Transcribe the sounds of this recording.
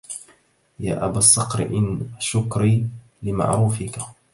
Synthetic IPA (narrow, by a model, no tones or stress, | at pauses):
ja̰ːʔabaːsˤːɑqɾɪ̰ʔɪnʃʊkɾiː | lɪma̰ʕɾuːfɪka